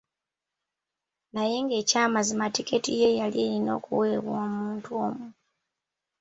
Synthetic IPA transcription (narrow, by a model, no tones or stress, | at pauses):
naje̞ŋɡe̞ːcaːmazimatike̞tije̞jalieɾino̞̰ːkṵwe̞ːβwoːmuːntuo̞mu